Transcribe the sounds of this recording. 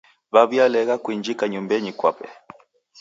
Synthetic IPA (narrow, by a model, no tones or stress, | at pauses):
βaβjalɛɣakwiɲd͡ʒikaɲumbɛɲikwa̰pɛ̰